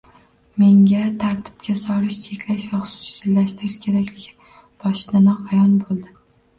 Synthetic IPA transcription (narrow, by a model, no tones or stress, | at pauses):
me̞ŋɡʲat̪ʰaɾt̪ʰɪ̥b̥̚kʲasɒɾɪʃt͡ʃʰe̞kʲlaʃvaχʊ̥sʊ̥ʊ̥salaʃt̪ɾɪʃkʲʰe̞ɾakʲlɪɡʲɪ | b̥ɒʃɪd̪anɒqʰajɒnbolˠd̪ɪ